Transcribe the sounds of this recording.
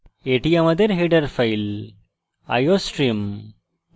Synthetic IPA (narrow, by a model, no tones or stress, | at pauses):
eːʈijamɐd̪eɾɦeɖɐɾfɐjl | ɐ̰joːsʈɾim